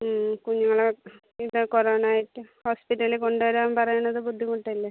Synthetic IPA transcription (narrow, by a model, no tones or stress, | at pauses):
kuɲːuŋːɐɭe | iðɨkoroːɳaːjiʈːɨhoːspiʈːɐliko̞ɳɖɨʋɐɾaːmpɐrɐjuɳːɐðɨbud̪ʱːikuʈːlːe